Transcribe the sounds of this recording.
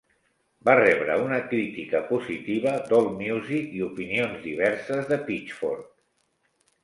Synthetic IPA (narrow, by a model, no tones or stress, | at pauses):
barɛβɾəunəkɾit̪ikəpuzit̪iβəd̪olˠmjuzikiupinionzðiβ̞ɛɾsəzðəpit͡ʃfo̰ɾt̪̚